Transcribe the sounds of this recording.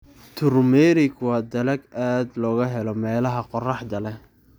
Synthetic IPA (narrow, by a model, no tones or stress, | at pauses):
t̪ʰʊrmɛɾɪɡwɑːd̪ɐlɐɡaːd̪lɔːɣɐɦɛlɔmɛːlɐɦɐqɔrɑħd̪ɐlɛ